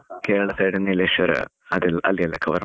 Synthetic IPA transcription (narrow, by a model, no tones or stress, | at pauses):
keːɾɐɭɐseːɽinːileʂʋɐɾɨ̰ | ɐðilɐ̰lːijɐlːɐkʰːɐʋɐɾ